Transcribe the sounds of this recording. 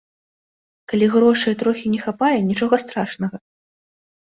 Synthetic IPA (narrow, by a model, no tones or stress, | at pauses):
kalʲiɣɾɔʂɨjɛt̪ɾɔxʲinʲɛxapajɛnʲit͡ʂɔɣɐst̪ɾaʂnɐɣɐ